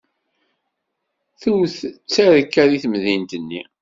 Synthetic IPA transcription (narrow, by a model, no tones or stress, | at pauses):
θuwθt͡sːæɾəkːæɾiθmðint̪ənːi